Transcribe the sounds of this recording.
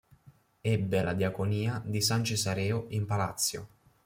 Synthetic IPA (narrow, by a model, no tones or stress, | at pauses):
ɛbːelad̪jakoniːad̪is̬ant͡ʃesaɾɛːoimpala̰t̪sːjo̰